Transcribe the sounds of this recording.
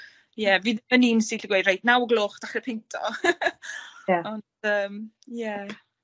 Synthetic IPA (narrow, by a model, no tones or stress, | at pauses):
jɛviːðəməniːnsiɬiɡwejdrajtnawɡlˠoːχd̥aχəpʰɪntʰɔ̰ | ɔndəːm | jɛ